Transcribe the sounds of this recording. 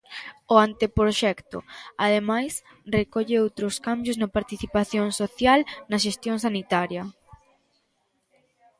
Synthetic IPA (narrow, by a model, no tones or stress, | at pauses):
oant̪epɾoʃɛkt̪ʊ̰aðemajs | rekɔʎeowt̪ɾʊskambjʊznɐpaɾt̪iθipaθjoŋsoθjalnɐʃ̬est̪jõŋsanit̪aɾjɐ